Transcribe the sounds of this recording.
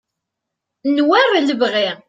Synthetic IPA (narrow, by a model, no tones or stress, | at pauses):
nwærˤləvʁi